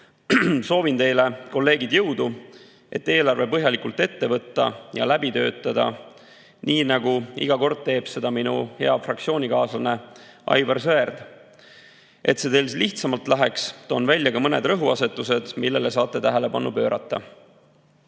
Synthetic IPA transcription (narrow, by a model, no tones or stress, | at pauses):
so̞ːvint̪e̞jle̞ko̞lːe̞ːɡid̪̥jɤ̞wd̪u | e̞̰t̪ːe̞ːlɑrvepɤɦjɑlikult̪ːe̞t̪ːe̞vɤt̪ːɑ̰jɑ̰læbit̪ø̞̰ːt̪ˑːɑd̪̥ɑ̰ | niːnɑɡuḭɡ̥ɑko̞rd̪̥̚t̪e̞ːb̥se̞d̪̥ɑminṵhe̞ɑfrɑk̚t̪sio̞ːnʲikɑːslɑne̞ | ʔɑ̰jvɑrs̬øerd̪̥ | ʔe̞t̪se̞t̪e̞jlsliht̪sɑmɑlt̪læɦekst̪onvælʲːjɑkɑmɤne̞̰d̪rɤɦuɑse̞t̪ːˑuse̞d̪̥milːe̞les̬ɑːt̪ːˑe̞t̪æɦele̞bɑnːupø̞ːɾʔɑ̰t̪ˑːɑ̰